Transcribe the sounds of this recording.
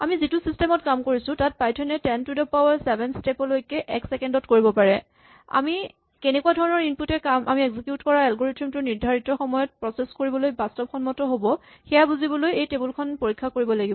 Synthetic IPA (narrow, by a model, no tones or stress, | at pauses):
a̰mizitʊsistɛmɔtkamkoɹisʊ̃tat̚pajtʰɔnɛtɛntudɔpawaɹsɛbɛnstepɔlojkɛʔɛksɛkɛndɔtkoɹibɔpaɹɛ | a̰mi | kenɛkuadʱɔɹɔnɔɹinputɛkamʔamiɛɡzikjutkɔɹaɛlɡoɹetɹimtʊɹniɹdʱaɹitɔxɔmɔjɔt̚pɹɔseskoɹibɔlojbastɔpxɔnmɔtɔɦobɔ | xɛjabuzibɔlojejtebulkʰɔnpoɹikʰːakoɹibɔlaɡibɔ